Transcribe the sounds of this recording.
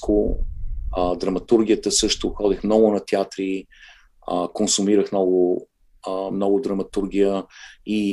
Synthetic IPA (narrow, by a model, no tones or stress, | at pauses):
kʊ | d̪ɾɐmɐt̪uɾɡ̟ʲijət̪əsɤʃt̪ʊxɔd̪ixmnɔɡʊnɐt̪ɛat̪ɾi | əkonsʊmiɾəxmnɔɡʊ | mnɔɡʊd̪ɾɐmɐt̪uɾɡ̟ijəi